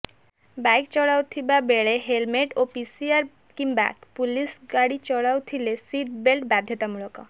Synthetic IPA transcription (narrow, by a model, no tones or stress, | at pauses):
bajkt͡ɕɔɽawt̪ʰibabeɭeɦelmeʈopisiaɾ | kimbɛ̰kpulisɡaɽit͡ɕɔɽawt̪ʰilesiʈbelʈbad̪ʱjɔt̪amuɭokɔ̰